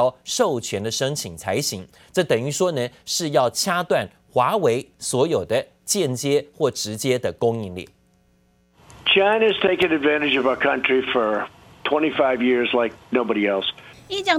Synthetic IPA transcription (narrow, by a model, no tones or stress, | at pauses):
ʊʂoʊt͡ɕʰɥɛnd̪əʂɤŋt͡ɕʰiŋt͡sʰaɪɕiŋ | ʈ͡ʂɤt̪əŋyʂwɔnəʂɻ̩jɑʊt͡ɕʰjat̪wan | xwaweɪswɔjoʊd̪ə | t͡ɕjɛnt͡ɕjɛxwɔʈ͡ʂɻ̩t͡ɕjɛd̪əkʊŋinlḭ | t͡ʃʰãɪ̃nɨz̥tʰeɪkɪ̃ŋɨdvæ̃ñɨd͡ʒʌvaʊə˞kʰʌ̃nt͡ʃɹ̥ifə˞ | tʰw̥ɛ̃ɾ̃ifaɪvjɪɹzlaɪk̚noʊbɑɾiɛlˠsit͡ɕjɑ